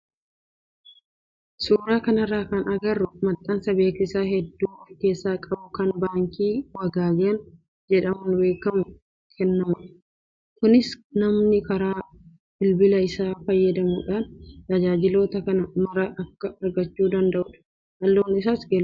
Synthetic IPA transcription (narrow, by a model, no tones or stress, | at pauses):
suːɾaːkɐnɐrːaːkɐnɐɡɐrːʊmɐt̪ʼːɐnsɐbe̞ːkɪsaːɦɛd̪ːuːwɐfke̞ːsːaːkʼɐbʊkɐnbaːŋkiːwɐɡaːɡɐɐn | d͡ʒɛᶑɐmʊnbe̞ːkɐmʊ | kʰɛnːɐmʊᶑɐ | kʊnɪsnɐmnɪkɐɾaː | bɪlbɪlɐɪsaːfɐjːɐd̪ɐmṵːᶑaːnt̪ɐd͡ʒaːd͡ʒɪlo̞ːt̪ɐkɐnɐmɐɾɐʔɐkːɐɐɾɡɐt͡ʃːuːd̪ɐnd̪ɐʔʊᶑɐ̥ | hɐlːoːnɪsaːsɡɛl